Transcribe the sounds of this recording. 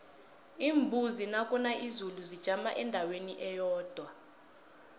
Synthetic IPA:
iːmbʱuzinakʼunaʔizuluzid̥ʒ̥ʱamaʔɛndʱaweniʔɛjɔːd̥ʱwa

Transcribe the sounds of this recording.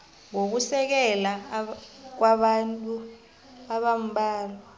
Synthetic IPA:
ŋok̬usɛk̬ɛla | k̬waɓantʼu | aɓam̩ɓaːlɔ

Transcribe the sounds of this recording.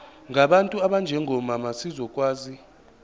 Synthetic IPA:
ŋɡʱaɓantʼuaɓand͡ʒʱɛŋʱɔmamasizɔkʼwaːzi

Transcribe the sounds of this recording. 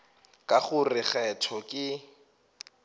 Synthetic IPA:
kʼaχʊrɪχɛtʰɔkʼɪ

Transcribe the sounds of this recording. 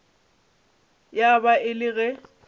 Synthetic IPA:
jabaɪlɪɣɛ

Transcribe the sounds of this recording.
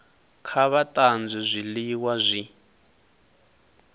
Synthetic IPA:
kʰaβatʼand͡zɛzʷiliwazʷi

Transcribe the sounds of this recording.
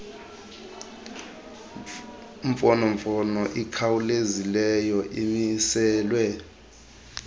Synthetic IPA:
ɱfɔnɔɱfɔnɔʔikʰawulezilɛjɔʔimisɛːlwɛ

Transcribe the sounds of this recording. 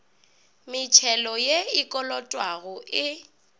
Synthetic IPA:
mɪt͡ʃʰɛlɔjeikʼɔlɔtʼwaɣɔʔɪ

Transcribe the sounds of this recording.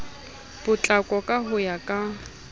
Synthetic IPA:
b̥ʊt͡ɬʼakʼɔkʼaɦʊjakʼa

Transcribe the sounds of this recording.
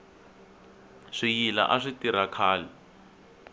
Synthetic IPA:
ʂijila̰ʔaʂitiɾakʰaːlɛ

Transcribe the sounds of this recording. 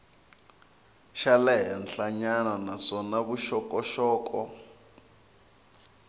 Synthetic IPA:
ʃalɛɦɛnɬaɲananasɔnaβuʃɔkʼɔʃɔːkɔ

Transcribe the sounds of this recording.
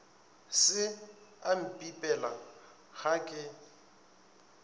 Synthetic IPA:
sɪam̩pʼipʼɛla | ɣakʼɪ

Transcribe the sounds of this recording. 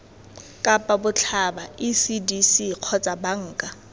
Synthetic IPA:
kʼapʼabʊt͡ɬʰabaisidisiq͡χʰɔt͡sʼabaŋ̩ːkʼa

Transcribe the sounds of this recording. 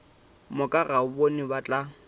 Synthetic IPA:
mʊkʼaɣaʊbonɪbat͡ɬʼa

